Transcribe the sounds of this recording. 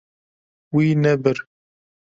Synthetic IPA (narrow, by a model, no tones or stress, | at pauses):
wiːnɛbɨɾ